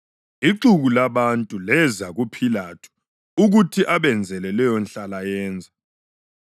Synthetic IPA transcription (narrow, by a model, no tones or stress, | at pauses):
iǁuɣulaβantʼulɛzaɣupʰilatʰu̥ | uɣutʰiʔaβɛnd͡zʱɛlɛlɛjɔnɬalajɛːnd͡zʱa